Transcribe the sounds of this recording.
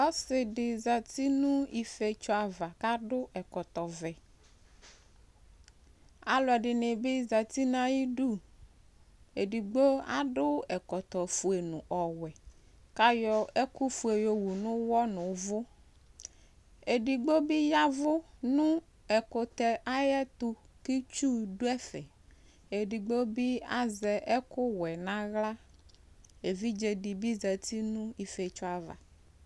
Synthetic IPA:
ɔ˦sɪ˨ɖɪ˨za˨t̪i˦nʊ̃˦i˦fe˨t͡ʃɔ˦a˨va˨ka˦ɖʊ˦ʔɛ˨kɔ˨t̪ɔ˨vɛ˨ | a˨lɔ˨ɛ˨ɖɪ˨ne˨bɪ˦za˨t̪i˦nã˦ji˦ɖu˦˨ | e˨ɖi˨ɡ͡bo˦a̰˦ɖʊ˦ɛ˨kɔ˨t̪ɔ˨fu˨e˨nʊ̃˨ʔɔ˨wɛ˨ | ka˦jɔ˦ɛ˦ku˦fu˨e˨jɔ˨wu˨nʊ̃˦wɔ˦nʊ̃˨˦vʊ˦ | e˨ɖi˨ɡ͡bo˦bi˦ja˦vʊ˦nũ˦ | ɛ˨ko˨t̪ɛ˨ʔa˦jɛ˦t̪ʊ˦ | ki˦t͡ʃu˦ɖo˦ɛ˦fɛ˨ | e˨ɖi˨ɡ͡bo˦bi˦a˦zɛ˨ɛ˦kʊ˦wɛ˨nã˦ɣla˦ | e˨vi˦d͡ʒe˨ɖi˨bi˦zɛ˨t̪i˦nũ˦i˦fe˨t͡ʃʊ˦a˦va̰˨

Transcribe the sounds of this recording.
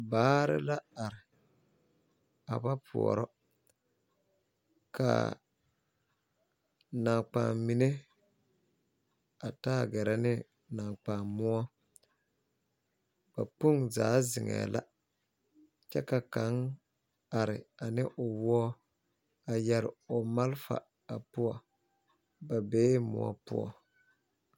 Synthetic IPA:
baː˨˦ɾɪ̰˦la˦a˨ɾɪ˨ | a˨ba˦pʰʊ̰˨ɔ̰˨ɾɔ˦ | kʰa̰˨ | na˨k͡pa˨mmi˨ne˦ | a˨ta˦˨ɡɛ˨ɾɛ˦nɪ˦ | na˨k͡paː˨mːʊ˦ɔ˦ | b̥a˨pu˦ŋzaː˨˦zɪ˨ŋɛ̰ː˨lʔa̰˦ | t͡ʃɛ̰˦ka˨ka˨˦ŋ | a˨ɾɪ˨a˨nɪ˦ʔʊ˨wɔ˦ɔ˦ | a˨jɛ˨ɾɪ˨ʊ˨ma˦lfa̰˨ | a˨pʊ˦ɔ˨ | ba˨beː˨˦mʊ̰˨ɔ̰˦pʊ̰˦ɔ̰˨

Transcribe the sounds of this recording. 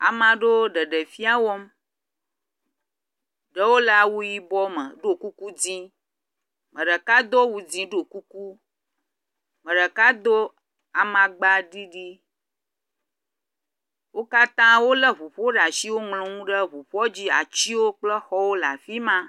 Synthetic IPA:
a̰˨mã˨ɖo˦ɖə˨ɖə˨fi˦a˦wɔ˦m | ɖə˦wo˦la˨wu˦ji˦bɔ˦mə̰̃˨ɖo˦ku˦ku˦d͡zĩ˦ | mə̃˨ɖə˨ka˦d̪o˦wu˨d͡zĩ˦ɖo˨ku˦ku˦ | mə̃˨ɖə˨ka˦d̪o˦ | a˨mã˨ɡ͡ba˦ɖi˦ɖi˦ | wo˦ka˦t̪ã˦wo˦lə˦βu˨ɸɔ˦ɖa˨ʃi˦wo˦ŋlõ˨ŋũ˦ɖə˦βu˨ɸɔ˦d͡ʑi˦a̰˨t͡ɕi˦wo˦k͡plə˦xɔ˦wo˦la̰˨fi˦mã˦

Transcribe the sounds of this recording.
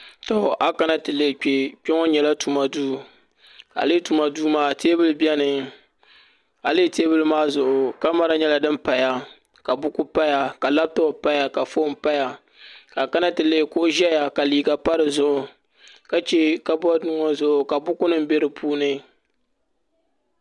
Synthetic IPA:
to˨ʔa˦ka˦na˦tɨ˨le˨k͡pe˨k͡pɛ˦ŋɔ˦ɲɛ˨la˦tu˨ma˨duː˦ | a̰˨le˦tu˨ma˨duː˦maː˦teː˦bɨ˦lɨ˦bi˦ɛ˦nɨ˨ | a˨le˦teː˦bɨ˦lɨ˦maː˦zʊ˨ʔʊ˨ka˦ma˦ɾa˦ɲɛ˦la˨dɨ˦mpa˨ja˦ | ka˨bʊ˦ku˦pa˦ja˨ka˨la˦b̚ta˦˨pa˦ja˨ka˨fo˦m̩˦pa˦ja˨ | ka˨ka˦na˦tɨ˨le˦˨ko˦ʒɛ˦ja˨ka˨liː˨ɡa˨pa˦ɾɨ˨zʊ˦ʔʊ˨ | ka˦t͡ʃɛ˦ka˦bnu˦ŋɔ˦zʊ˦ʔʊ˨ka˨bʊ˦kʊ˦nɨ˦m̩˦be˦ɾɨ˨pʰuː˦nɨ˦

